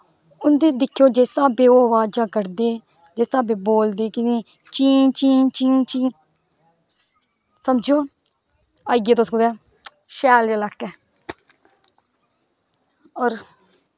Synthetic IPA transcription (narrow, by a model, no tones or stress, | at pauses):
ʊnd̪iːd̪ɪkʰːjoːd͡ʒeːsaːbeːoːəʋaːd͡ʒãːkəɾd̪eː | d͡ʒeːsaːbeːboːld̪eːkɪniː | t͡ʃiːt͡ʃiːt͡ʃĩːt͡ʃiː | səmd͡ʒjoː | aːɡeːt̪osɡʊd̪ɛː | ʃɛːlelakːɛː | ɔːɾ